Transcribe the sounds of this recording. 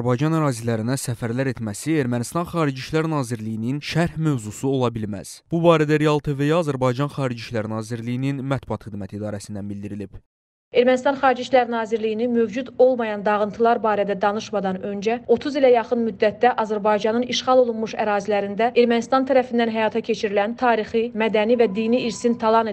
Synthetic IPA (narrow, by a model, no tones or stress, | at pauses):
ɾbɑjd͡ʒɑnæɾɑːzilæɾinæsæfæɾlæɾe̞t̪mæsie̞ɾmænist̪ɑnχɑːɾid͡ʒiʃlæɾnɑːziɾlijininʃæɾhmøvzusuo̞lˠɑbilmæ̰z̥b̥ubɑːɾæd̪æɾejɑlˠt̪ʰevejɑɑːzæɾbɑjd͡ʒɑnχɑːɾid͡ʒiʃlæɾnɑːziɾlijininmæt̪̚buɑt̪χid̪mæt̪ʰid̪ɑːɾæsind̪ænbild̪iɾilib̥ | e̞ɾmænist̪ɑnχɑːɾid͡ʒiʃlæɾnɑːziɾlijinimø̞vd͡ʒud̪o̞lˠmɑjɑnd̪ɑʁɯnt̪ʰɯlˠɑɾbɑːɾæd̪æd̪ɑnɯʃmɑd̪ɑnø̞nd͡ʒæo̞t̪ʰuzilæjɑχɯnmyd̪ːæt̪̚d̪æʔɑzæɾbɑjd͡ʒɑnɯniʃχɑlˠo̞lˠunmuʃæɾɑːzilæɾind̪æʔe̞ɾmænist̪ɑnt̪ʰæɾæfind̪ænɦæjɑːt̪ʰɑcʰe̞t͡ʃʰiɾilænt̪ʰɑːɾiχimæd̪ænivæd̪iːniiɾsint̪ʰɑlˠɑne